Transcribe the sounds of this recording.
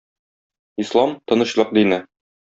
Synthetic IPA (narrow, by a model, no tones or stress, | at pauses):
islˠɑmt̪ŏnɤ̆ɕlˠɤq̚d̪inɘ